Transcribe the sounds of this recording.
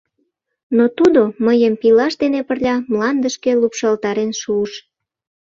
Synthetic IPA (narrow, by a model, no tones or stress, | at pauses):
not̪ud̪oməjəmpilɑʃd̪enepərlʲɑmlɑnd̪əʃkelupʃɑlt̪ɑɾenʃuːʃ